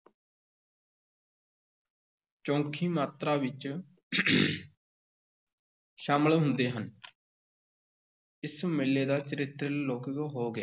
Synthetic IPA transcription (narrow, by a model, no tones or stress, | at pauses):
t͡ʃõːkʰiːmaːt̪ɾaːʋɪt͡ʃ | ʃaːməlɦʊ̃nd̪eːɦən | ɪsũːmɪlːeːd̪aːt͡ʃəɾɪt̪ɾloːkəkɦoːɡeː